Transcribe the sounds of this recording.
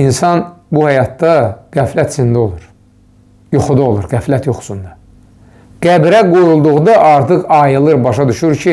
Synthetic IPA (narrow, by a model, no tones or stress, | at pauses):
insɑnbuhæjɑt̪̚d̪ɑɡ̥æflæt̪sind̪o̞lˠuɾ | joxud̪ɑolˠuɾɡæflæt̪joxsund̪ɑ | ɡ̥æbɾæɡojulˠd̪uʁd̪ɑʔɑɾt̪ʰɯχɑjɯlˠɯɾbɑʃɑd̪yʃyɾcʰi